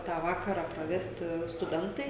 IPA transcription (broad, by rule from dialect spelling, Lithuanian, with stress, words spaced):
ˈtɑː ˈʋɑːkɐrɑː prɐˈʋʲæːsʲtʲɪ stʊˈdʲɛntɐɪ